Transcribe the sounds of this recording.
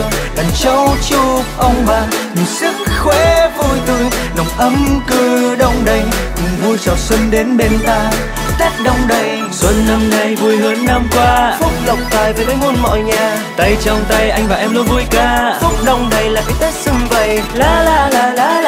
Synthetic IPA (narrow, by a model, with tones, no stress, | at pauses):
kə˨˩nt͡ɕɔ˧˦wt͡ɕu˧p̚ʔə˧wŋ͡mɓaː˨˩ŋɲɨ˨˩sɨ˦˥k̚xwe˧˥vu˧˩jt̪ɨ˧˨ŋnɔ˨˩wŋ͡mʔə˨˦mkɨ˧ɗə˧wŋ͡mɗə˨˧˩jɲɨ˨˩ŋvu˧jt͡ɕa˨˩wswə˧nɗe˨˦nɓe˧nt̪aː˧ | t̪ɛ˦˥t̚ɗə˧wŋ͡mɗə˨˩j | swə˧nːa˧mna˨˩jvu˧əjɦəː˨˦nːa˧mkwaː˧fʊ˦˥k͡p̚ɗə˨˧˩wŋ͡mt̪aː˨˩jvəː˨˩jməː˨˦jmo˧nmɔ̰˧˨jɲaː˨˩ | t̪ə˧jt͡ɕɔ˧wŋ͡mt̪ə˧jʔa˧jŋ̟vaː˨˩ʔɛ˧mlo˧˦jvu˧əjkaː˧fʊ˦˥k͡p̚ɗə˧wŋ͡mɗə˨˩jlaː˨˩ka˨˦jt̪a˦˥k̚sɨ˧ŋvə˨˩jlaː˧˦laː˧˩laː˧˩laː˧˦